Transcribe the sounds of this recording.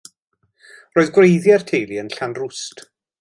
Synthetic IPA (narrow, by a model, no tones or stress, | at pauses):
roːɨðɡwrejðjɛrtʰejliənɬanrʊst